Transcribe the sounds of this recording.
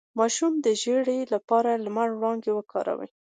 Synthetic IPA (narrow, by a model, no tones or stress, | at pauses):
mɑʃumd̪əʒeɽelapɑɾalamaɽɽɑŋɡewəkʰɑ̰ɾa̰wə̰j